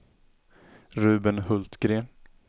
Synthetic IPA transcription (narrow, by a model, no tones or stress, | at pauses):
ɾʉ̟ːbənhɵlt̪ɡɾeːn